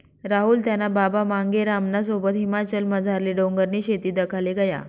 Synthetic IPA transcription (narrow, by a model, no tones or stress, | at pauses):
ɾaɦuːlt̪janababamaŋɡeɾamnas̬obət̪ɦimat͡ɕəlməd͡zʱaɾliɖoŋɡəɾniːɕet̪iːd̪əkʰaleɡəja̰